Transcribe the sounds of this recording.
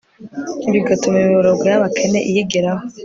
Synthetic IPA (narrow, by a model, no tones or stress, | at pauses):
iβiɡatumimiβoɾoɡwajaβakʰe̞ne̞̰ʔijiɡeɾaho